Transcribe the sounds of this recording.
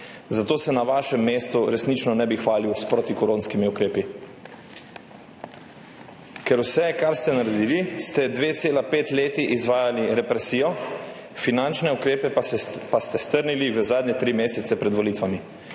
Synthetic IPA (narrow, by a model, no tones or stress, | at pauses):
zat̪oːsɛnaʋaʃɛmːeːst̪uɾɛsnit͡ʃnɔnɛbixʋaːliwspɾot̪ikɔɾõːnskimiukɾeːpi | kɛɾwsɛkaɾst̪ɛnaɾɛd̪iːlist̪ɛd̪ʋeːt̪seːlapeːt̪leːt̪iʔizʋaːjaliɾɛpɾɛsijɔ | finant͡ʃnɛukɾeːpɛpast̪ɛst̪əɾniliʋəzaːd̪ɲɛt̪ɾimeːsɛt̪sɛpɾɛd̪ʋolit̪ʋami